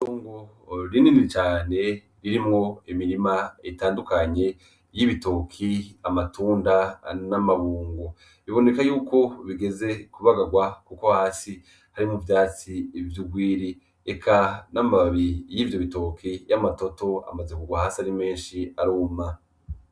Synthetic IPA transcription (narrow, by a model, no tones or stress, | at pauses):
tuːŋɡo | ɾininiit͡ʃaːne̞ | ɾiɾimŋo̞imiɾimaitaːndukaɲe̞ | jiβitokʰiamatuːndanamaβuːŋɡo | βiβo̞ne̞kajuːkʰo̞βiɡe̞ze̞kuβaɡaɡwakukohaːsi | haɾimuvjaːt͡sivjuɡwiːɾi | ekʰanamaβijiːvjo̞βitokʰijamato̞to̞a̰mazekuɡwahaːsaɾime̞ːnʃiaɾoːma